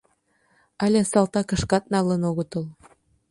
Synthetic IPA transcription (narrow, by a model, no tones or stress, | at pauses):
ɑlʲesɑlt̪ɑkə̆ʃkɑt̪̚nɑlənoɣə̆t̪əl